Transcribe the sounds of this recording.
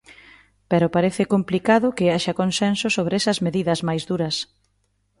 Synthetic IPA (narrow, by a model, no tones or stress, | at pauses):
pɛɾʊpaɾeθɪkomplikaðʊkɪaʃɐkonsɛnsʊsoβɾɛsɐzmeðiðɐzmajzðuɾɐs